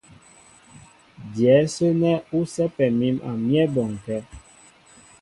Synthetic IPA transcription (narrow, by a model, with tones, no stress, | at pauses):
djɛ˨˦sə˦nɛ˦u˦sɛ˦pɛ˨mi˦ma̰˨mjɛ˦bɔ˨ŋ˨kɛ˦